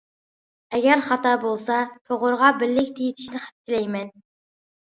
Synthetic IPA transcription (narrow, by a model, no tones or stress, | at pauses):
ɛɡʲɛɾχɑt̪ɑːbolˠsɑt̪ʰoʁʊɾʁɑbɪlːɪkʲt̪ʰejit̪ʰi̥ʃnɪχæ̥t̪̚t̪ʰɪlɛjmɛn